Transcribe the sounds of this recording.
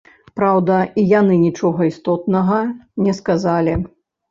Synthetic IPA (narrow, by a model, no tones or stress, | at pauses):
pɾawd̪ɐijanɨnʲit͡ʂɔɣɐist̪ɔt̪̚nɐɣɐnʲɛskazalʲi